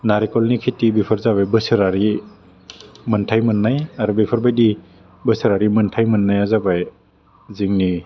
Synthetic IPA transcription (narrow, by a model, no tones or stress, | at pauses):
naɾikɔlnikʰitːibipʰɯɾzabajbɯsɯɾaɾi | mɯntʰajmɯnːajaɾubipʰɯɾbajdi | bɯsiɾaɾimɯntʰajmɯnːajazabaj | ziŋni